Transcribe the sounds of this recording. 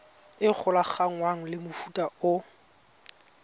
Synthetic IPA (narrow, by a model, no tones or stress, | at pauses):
ɪk͡xʰʊlaχaŋ̩waŋ̩lɪmʊfutʼaʊ